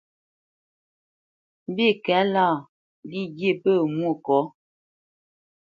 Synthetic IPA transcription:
bi˦˨kɛ˨˦la˦˨ | li˦ɡje˦˨pə˦˨mwo˦˨kɔ˨˦

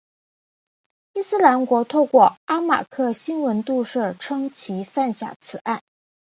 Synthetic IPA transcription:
i˥˧sɹ̩˥la˧˥nkwɔ˧˥t̪ʰo˥˧ʊkwɔ˥˩a˥ma̰˨˩kʰɤ˥˩ɕi˥nwə˧˥nt̪u˥˧ʂɤ˥˩ʈ͡ʂʰɤ˥ŋt͡ɕʰi˧˥fa˥˩nɕja̰˨˩t͡sʰɹ̩˨˩a˥˩n

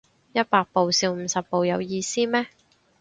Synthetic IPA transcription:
jɐ˥t̚paː˧k̚po˨wsiː˧wm̩ː˨˧sɐ˨p̚pːo˨wjɐ˨˧wjiː˧siː˥mɛː˥

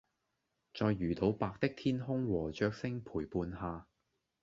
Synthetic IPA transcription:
t͡ʃɔː˧jːyː˨˩t̪o˨˧wpaː˧k̚t̪ɪ˥k̚t̪ʰiː˥nɦʊ˥ŋwɔː˨˩t͡ʃœː˧k̚sɪ˥ŋpʰuː˨˩jpuː˧nɦaː˧

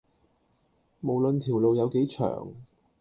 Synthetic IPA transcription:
mo˨˩wlɵ˨nt̪ʰi˨˩wlo˨wjɐ˨˧wke˨˥jt͡ʃʰœ̰ː˨˩ŋ

